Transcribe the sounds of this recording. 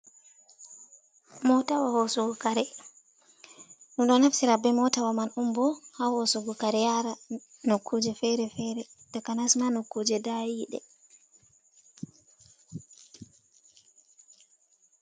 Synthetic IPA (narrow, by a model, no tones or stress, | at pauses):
mɔtawahosuɡukaɾɛ | ɗuɗɔnhafsiɾabɛmɔtawamanumbɔhahosuɡukaɾɛjaɾa | nokʰːod͡ʒɛfɛɾɛfɛɾɛdakanasmanokːod͡ʒɛdajiɗɛ̰